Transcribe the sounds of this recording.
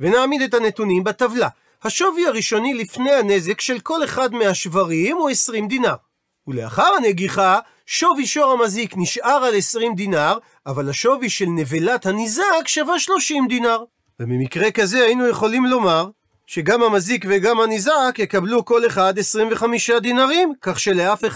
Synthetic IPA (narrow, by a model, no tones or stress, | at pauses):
venaːmid̪e̞thanet̪unimbat̪avla | haʃo̞viaʁiʃo̞nilifne̞jhane̞ze̞kʃe̞lko̞le̞χad̪meaʃvaʁimuesʁimd̪inaʁ | ulea̰χaʁane̞ɡiχa | ʃo̞viʃo̞ʁamazikniʃʔaʁale̞sʁimd̪inaʁ | avalhaʃo̞viʃe̞lnevilat̪hanizakʃavaʃlo̞ʃimd̪inaʁ | vemimikʁekaze̞hainuje̞χo̞limlo̞maʁ | ʃe̞ɡamhamazikveɡamhanizakjekabluko̞le̞χad̪e̞sʁimveχamiʃad̪inaʁimkaχʃe̞leafe